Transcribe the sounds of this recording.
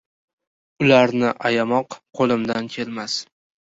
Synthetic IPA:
ʊlaɾnɪʔajamɒqqʰolˠɪmd̪ankʲʰe̞lmas

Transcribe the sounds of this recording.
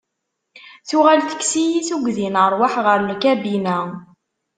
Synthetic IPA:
θuʁælθə̥kːsijiθuɡʷðinəɾˤwaħʁəɾnkæbinæ

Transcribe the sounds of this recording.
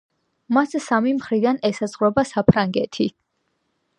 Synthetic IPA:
massamimχɾid̪anɛsaz̥ʁɾɔbasapʰɾaŋɡɛt̪ʰi

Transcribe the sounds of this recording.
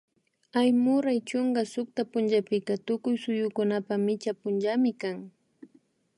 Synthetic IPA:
ajmʊɾajt͡ʃoŋɡasʊk̚t̪apʊnd͡ʒapɪkat̪ʊkʊjsʊjʊkʊnapamɪt͡ʃapʊnd͡ʒamɪkaŋ

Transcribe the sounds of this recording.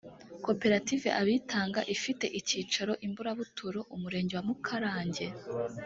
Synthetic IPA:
ko̞pe̞ɾative̞̰ʔaβiːtaːŋɡaʔifite̞̰ʔiciːt͡ʃaɾo̞ʔimbuɾaβutʰuɾo̞ʔumuɾe̞ːɲɟe̞wamukʰaɾaːɲɟe̞

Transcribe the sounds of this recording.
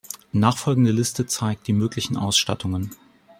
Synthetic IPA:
naːχfɔlɡŋ̩dəlɪstət͡saɪk̚t̚d̥iːmøːklɪçn̩ʔa̰ʊsʃta̰tʰʊŋən

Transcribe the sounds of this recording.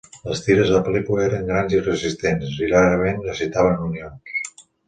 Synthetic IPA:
ləst̪iɾəzðəpəlikwləeɾəŋɡɾanzirəzist̪ensiraɾəmennəzit̪aβənunions

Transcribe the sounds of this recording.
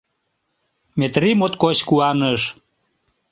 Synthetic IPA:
met̪rimot̪koɕkuɑnəʃ

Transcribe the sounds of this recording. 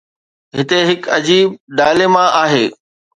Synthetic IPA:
ɦɪt̪eɦɪkɐd͡ʑiːb̚ɖaːlemãʔaːɦeː

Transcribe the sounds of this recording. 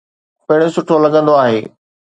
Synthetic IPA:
pɐɦɪɽ̃osʊʈʰolɐɡə̃nd̪oaːɦeː

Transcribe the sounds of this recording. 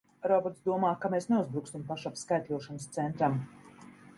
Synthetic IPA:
ɾɔbɔɾt̪sd̪uɔmaːkameːsneuzbɾukst̪impaʃapskajt̪luɔʃanəst̪sɛnt̪ɾam

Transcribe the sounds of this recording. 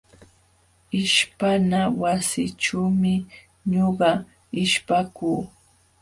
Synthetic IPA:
ɪʃpanawasɪʈ͡ʂuːmɪ | ɲoɢɑ | ɪʃpakuː

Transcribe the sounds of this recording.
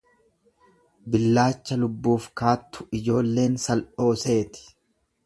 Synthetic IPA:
bɪlːaːt͡ʃːɐlʊbːuːfkaːt̪ːʊ̥ɪd͡ʒo̞ːlːe̞ːnsɐlʔo̞ːse̞ːt̪ɪ̥

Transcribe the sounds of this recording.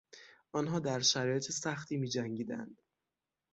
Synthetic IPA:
ʔɒnɦɒːd̪æɾʃæɾɒːjet̪ʰesæxt̪ʰiːmiːd͡ʒæŋɟiːd̪æ̰nd̪̥

